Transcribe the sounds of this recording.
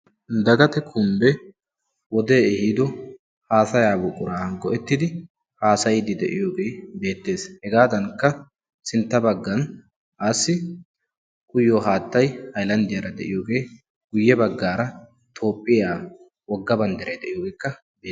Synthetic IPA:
d̪ɐɡɐt̪ɛkʰʊmbɛ | wɔd̪eːɛhiːd̪ɔ | haːsɐjaːbʊkʼʊɾaːɡɔʔɛt̪ːɪd̪ɪ | haːsɐjɪd̪ɪd̪ɛ̰ʔɪjoːɡe̞ːbe̞ːt̪ːe̞ːshɛɡaːd̪ɐŋkːɐ | sɪnt̪ːɐbɐɡːɐn | ʔaːsːɪ | kʼʊjːoɦaːt̪ːɐjhɐjlɐnd̪ɪjɐɾɐd̪ɛ̰ʔɪjoːɡe̞ː | ɡ̥ʊjːɛbɐɡːaːɾɐ | t̪ʰo̞ːpʼːɪjaː | wɔɡːɐbɐnd̪ɛɾɐjd̪ɛʔɪjoːɡɛkːɐ | beː

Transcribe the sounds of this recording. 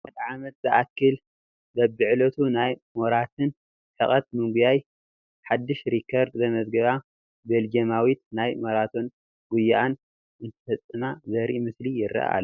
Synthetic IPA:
ad̪ʕamɐt̪̚zɨʔakːɨl | bɐbɨʕlot̪ʰunajmoɾat̪ʰɨn | ħɨχʼɐt̪̚mɨŋɡujaj | ħad̪ːɨʃɾikʰːɐɾd̪zɐmɐzɡɐβa | beld͡ʒɐmawit̪najmoɾat̪ʰo̞n | ɡ̥ujːaʔan | ʔɨnt̪ʰɨ̥fɐt͡sʼːɨnazɐɾimɨslijɪrɐ̰ʔa̰l

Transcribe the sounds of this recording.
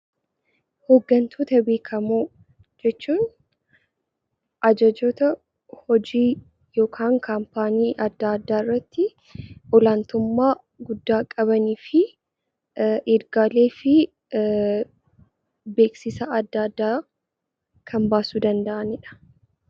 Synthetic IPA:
hoːɡːɐnt̪ʰoːt̪ɐbeːkʰɐmuː | d͡ʒɛt͡ʃːuːn | ʔɐd͡ʒɐd͡ʒoːt̪ɐ | hɔd͡ʒiː | jo̞ːkʰaːŋkʰɐmpaːniːʔɐd̪ːaːɐd̪ːaːɪrːɐt̪ːɪ | ɔlant̪ʊmːaː | ɡʊd̪ːaːkʼɐβɐniːfɪ | eɾɡaːle̞ːfɪ | be̞ːksɪsɐɐd̪ːaːd̪ːaː | kʰɐmbaːsud̪ɐnd̪ɐʔɐnɪᶑɐ̥

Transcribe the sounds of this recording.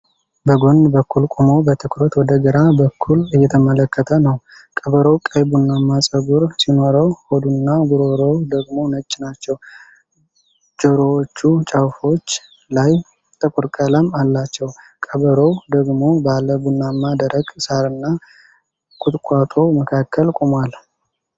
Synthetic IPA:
bəɡo̞nd̪bəkʰːulkʷʼumo̞bət̪ʰɨkʰɾot̪wɔd̪əɡəɾabəkʰːulɨjːɛt̪ʰəmələkʰːət̪ʰənəw | kʼəβəɾowkʼəjbunːamːasʼəɡuɾsino̞ɾəwhod̪unːaɡuɾoɾowd̪əɡmo̞nət͡ʃʼːɪnat͡ʃːɛw | d͡ʒəɾowt͡ʃːut͡ʃʼawfo̞t͡ʃː | laj | t̪ʼɨkʼuɾkʼələmalːat͡ʃːɛw | kʼəβəɾowd̪əɡmo̞baləbunːamːad̪əɾəɡsaɾɨnːa | kʼʊt̪ʼkʷʼat̪ʼo̞məkʰakʰːəlkʼumal

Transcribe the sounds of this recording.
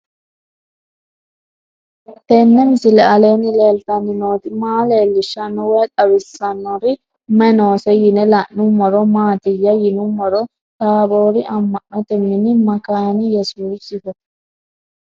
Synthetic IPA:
t̪ɛnːɛmɪsɪlɛɐleːnɪleːlt̪ɐnːɪnoːt̪ɪmaːleːlːɪʃːɐnːɔwɛk̪ʼɐbɪsːɐnːɔɾɪ | mɐnoːsɛjɪnɛlaʔnʊmːɔɾɔmaːt̪ɪjːɐjɪnumːɔɾɔ | t̪aːboːɾɪʔɐmːɐʔːɔt̪ɛmːɪnɪmɐkaːnɪjɛsuːsɪfɔ

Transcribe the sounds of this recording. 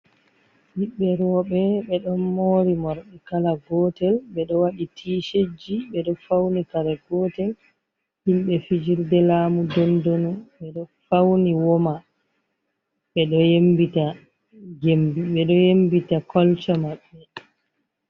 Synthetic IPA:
ɓiɓːɛɾɔɓɛɓɛɗɔnmoɾimɔɾɗɛkalaɡɔtɛlɓɛɗɔwaɗitʰiːʃed͡ʒiɓɛɗɔfawnikalɛɡɔːtɛl | himɓɛfid͡ʒiɾdɛlaːmudɔndonuɓɛɗɔfawniwɔma | ɓɛɗɔjembita | ɡembiɓɛɗɔjembitakɔlt͡ʃamaɓːɛ

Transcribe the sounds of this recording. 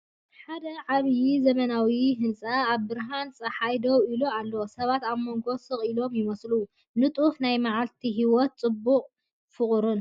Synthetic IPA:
ħad̪ɐʕaβjizɐmɐnawiɦɨnsʼaːβbɨɾɦansʼɐħajd̪owilualːosɐβat̪aβmo̞ŋɡo̞sɨχʼilo̞mjɪmɐslu | nɨt̪ʼufnajmaʕalt̪ʰiɦiwɔt̪̚t͡sʼɨbːuqʼ | fɨχʼɾɨn

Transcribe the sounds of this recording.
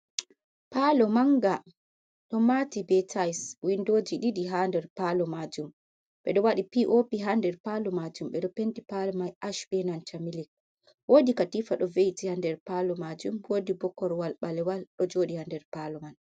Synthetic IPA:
palɔmaŋɡa | ɗɔmatibɛtʰajswindod͡ʒiɗidiɦandɛɾpalɔmad͡ʒum | ɓɛ̰ɗɔwaɗipiʔopiɦandɛɾpalɔmad͡ʒumɓɛɗɔpentipalɛmajʔaʃbɛnant͡ʃamilik̚ | wodikatifaɗɔvejtihandɛɾpalɔmad͡ʒumwodibɔkːɔɾwalɓalɛwalɗɔd͡ʒoːɗihandɛɾpalɔman

